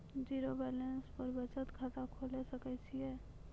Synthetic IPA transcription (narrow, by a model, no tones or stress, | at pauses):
d͡ʒiːɾobɛːlenspəɾbət͡ʃət̪kʰaːt̪akʰoːlesəkət͡ʃʰiɛː